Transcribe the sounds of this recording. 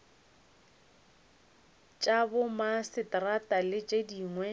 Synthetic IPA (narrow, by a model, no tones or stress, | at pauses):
t͡ʃʼabʊmasɪtratʼalɪt͡ʃʼediːŋwɛ